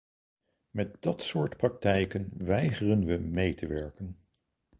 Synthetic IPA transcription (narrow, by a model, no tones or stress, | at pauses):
mɛt̚dɑtsʊːɹtprɑk̚tɛjkənʋɛjχərənʋəmejtəʋɛɹkən